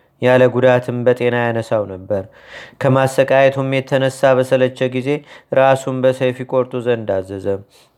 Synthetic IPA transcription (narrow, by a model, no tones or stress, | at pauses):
jaləɡud̪at̪ʰɨmbət̪ʼe̞najanəsawnəbːəɾ | kʰəmasːəkʼajɛt̪ʰumjɛt̪ʰːənəsːaβəsələt͡ʃːɛɡize̞ɾasumbəsəjfikʼoɾt̪ʼuzənd̪azːəzəm